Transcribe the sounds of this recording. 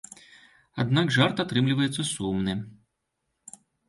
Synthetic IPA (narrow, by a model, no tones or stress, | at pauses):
ɐ̰d̪nɑkʒɑrt̪ɐt̪ɾɪmlʲʊʋɐjɛt̪sʲɐsumnɪ